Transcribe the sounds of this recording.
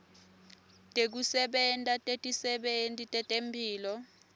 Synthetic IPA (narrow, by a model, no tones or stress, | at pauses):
tʼek̬usɛɓɛntʼatʼetʼisɛɓentʼitʼɛtʼempʰiːlɔ